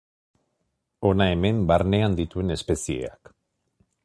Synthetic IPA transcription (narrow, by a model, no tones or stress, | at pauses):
o̞nae̞me̞mbaɾne̞and̪it̪ue̞ne̞spe̞sie̞̰a̰k